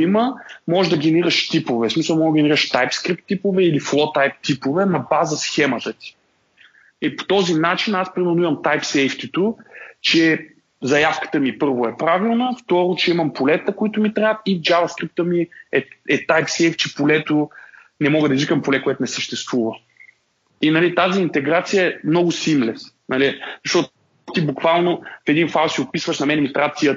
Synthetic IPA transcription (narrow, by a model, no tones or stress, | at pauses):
iməmɔʒd̪ɐɡɛnɛɾiɾəʃt̪ipovɛsmisəlˠmɔɡəɡʲɛnɛɾiɾəʃt̪ajpskɾip̚t̪ːipovɛiliflˠɔt̪ajp̚t̪ipovɛnɐbazəsxɛmət̪ət̪i̥ | ipo̥t̪ɔzinat͡ʃinaspɾimɛɾnʊimɐmt̪ajpsɛjft̪it̪ot͡ʃɛ | zɐjafkə̥t̪əmipɤɾvʊɛpɾavilˠnəft̪ɔɾot͡ʃɛimɐmpolɛt̪əkʊit̪ʊmit̪ɾaət̪id͡ʒavɐskɾip̚t̪əmiɛɛt̪ajpsɛjft͡ʃɛpolɛt̪ʊ | nɛmɔɡəd̪ɐizikəmpolɛkʊɛt̪ʊnɛsəʃt̪ɛst̪vuvə | inɐlit̪aziːnt̪ɛɡɾat̪sijəɛmnɔɡʊsimlɛs | nɐlizɐʃt̪ɔt̪ | t̪ibukvalˠnofɛd̪infalˠsiopisvəʃnɐmɛnɛmit̪ɾat̪sijə